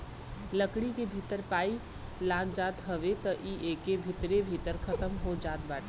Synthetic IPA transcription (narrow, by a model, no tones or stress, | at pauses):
ləkɽikebʱit̪əɾpai | laɡd͡ʒat̪ɦəβet̪əʔiʔekebʱit̪ɾebʱit̪əɾkʰət̪əmɦod͡ʒat̪̚baʈʰ